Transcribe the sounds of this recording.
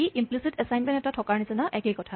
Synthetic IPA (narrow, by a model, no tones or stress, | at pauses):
iʔimplisitɛsajnmɛ̃ntɛtatʰɔkaɹnisɛnaʔɛkekɔtʰa